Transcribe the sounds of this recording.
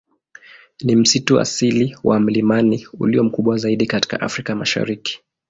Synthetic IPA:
nim̩situa̰siliwam̩limaniṵliɔm̩kuɓwazaiɗikati̥ka̰ʔafɾikamaʃa̰ɾiki̥

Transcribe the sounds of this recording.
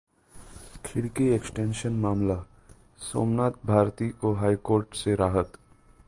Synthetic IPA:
kʰɪɽkieksʈẽːnʃənmaːmla | so̰ːmnaːt̪̚bʱaːɾt̪iʔoɦaːikoːɾʈseɾaːɦət̪

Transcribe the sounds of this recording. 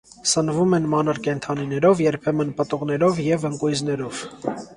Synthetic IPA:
sənvumɛnmɑnəɾkɛnt̪ʰɑninɛɾɔvjɛɾpʰɛmənpət̪uʁnɛɾɔvjɛvəŋkujznɛɾɔv̥

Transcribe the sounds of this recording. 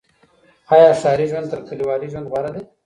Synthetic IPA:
aːjɑːʃaːɾiʒwand̪t̪əɾkəliwɑːliʒwɐnd̪baɾad̪e

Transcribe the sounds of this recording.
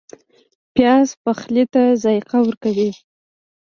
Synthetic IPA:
pjɑzpaxlit̪azɑjqawəɾkawi

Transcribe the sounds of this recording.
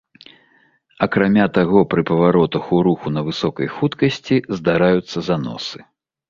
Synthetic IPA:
ɐkɾamʲat̪aɣɔpɾɨpɐvaɾɔt̪ɐxuɾuxunɐvɨsɔkɐjxut̪kɐsʲt͡sʲizd̪aɾajut̪sːɐzan̪ɔ̰sɨ̥

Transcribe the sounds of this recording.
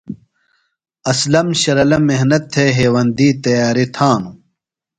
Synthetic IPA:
ɐslɐmɕɐɾɐlɐmeɦnɐt̪ʰːeɦeːwɐnd̪iːt̪ɐjaːɾit̪ʰaːnu

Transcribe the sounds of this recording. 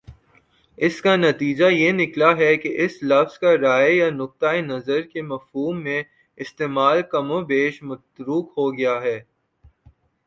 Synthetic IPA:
ɪskanɐt̪iːd͡ʒajenɪklaɦɛkeʔɪslɐfz̥kaɾaːjjanʊk̚t̪aenɐzəɾkemɐfɦuːmːẽ | ɪst̪eːmaːlkɐmobeːʃmɐt̪ɾuːkɦoɡɐjaɦɛː

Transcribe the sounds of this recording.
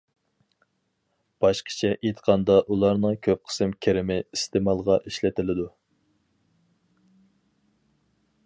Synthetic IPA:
b̥ɑʃqʰə̥t͡ʃʰɛʔet̪qʰɑnd̪ɑʔulˠɑɾnɨŋkʲʰøp̚qʰə̥smkʲʰeɾɪmɪist̪ʰɪmɑlˠʁɑʔiʃlɪt̪ʰɪlɪd̪u

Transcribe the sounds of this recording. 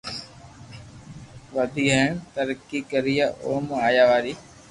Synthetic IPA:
ʋəd̪ʱiːəɪnt̪əɾkiːkəɾijaʔoːmaːjaːʋaːɾiː

